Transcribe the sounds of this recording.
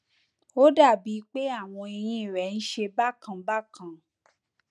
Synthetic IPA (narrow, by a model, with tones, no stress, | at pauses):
o˦da˦˨bi˨˦k͡pe˦a˦˨w̃ɔ̃˧i˧j̃ĩ˧i˦˨ɾɛ˨n̩˦ʃe˧ba˦kã˨ba˦kʰã˨